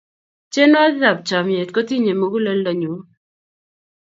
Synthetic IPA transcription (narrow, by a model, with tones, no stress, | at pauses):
t͡ʃe˦nɔ˦a˦za˨b̚t͡ʃa˨mje˨t̚ko˦ti˦ɲe˨mo˦ɡu˦le˦lːɔ˨ɲu˨˦